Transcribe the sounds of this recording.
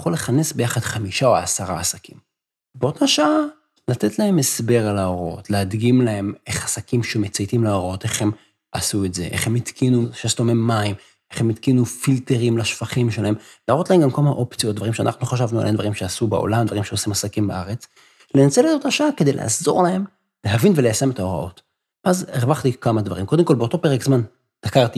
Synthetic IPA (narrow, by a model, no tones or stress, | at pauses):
jaχole̞χanesbe̞jaχad̪̥χamiʃaoasaʁaasakim | beo̞t̪aʃaa | lat̪etlahe̞me̞sbe̞ʁalaoʁo̞̰tlead̪ɡimlahe̞meχasakimʃemet͡sajtimlaoʁo̞teχhem | asuetze̞ʔe̞̰χemit̪kinuʃestomimːaim | eχhe̞mit̪kinufilteʁimlaʃfaχimʃelahe̞mlaːʁo̞t̪lahemɡamkamaʔo̞pt͡sijot̚d̪vaʁimʃea̰na̰χnuχaʃ̬avnua̰lʔed̪va̰ʁimʃeasubao̞̰lamd̪vaʁimʃeosimasakimbaʔaʁe̞t͡s | le̞nat͡seledot̪aʃaake̞dejla̰azo̞̰ʁlahe̞m | le̞ɦavinvelejase̞metao̞ʁa̰ʔo̞̰t | azeʁvaχt̪ikamadva̰ʁimko̞d̪emko̞lbeo̞to̞peʁekzman | d̥akaʁt̪i